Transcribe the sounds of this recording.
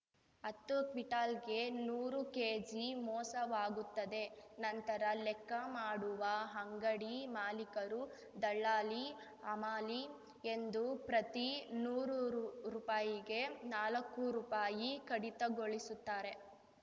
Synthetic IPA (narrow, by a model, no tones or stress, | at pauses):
ɐt̪ːukʋiʈaːlɡe̞nuːɾukeːd͡ʒimɔːsɐʋaːɡut̪ːɐd̪e̞nɐnt̪ɐɾɐlɛkːɐmaːɽuʋɐɦɐŋɡɐɽimaːlikɐɾu | d̪ɐɭːaːli | ɐmaːli | e̞nd̪upɾɐt̪inuːɾuɾuːpaːjiɡe̞naːlɐkːuɾuːpaːjikɐɽit̪ɐɡoɭisut̪ːaːɾe̞